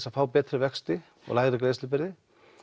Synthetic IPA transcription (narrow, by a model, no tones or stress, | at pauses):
safaːwpɛːt̪ɾɪvɛkst̪ɪ | ɔ̰ɣlaːjɣɾɪkleːjst̪lɪpɪɾðɪ